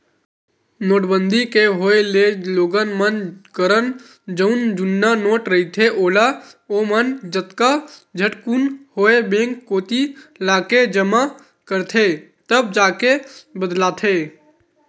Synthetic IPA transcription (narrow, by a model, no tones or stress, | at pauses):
noːʈbənd̪ʱikeɦoːeleloːɡənmənkəɾən | d͡ʒəʊnd͡ʒʊnːanoːʈɾəɦit̪ʰeʔoːlaoːmənd͡ʒət̪kad͡ʒʱəʈkunhoːebẽːŋkːoːt̪ilaːked͡ʒəma | kəɾt̪ʰe | t̪əb̚d͡ʒaːkebəd̪laːt̪ʰeː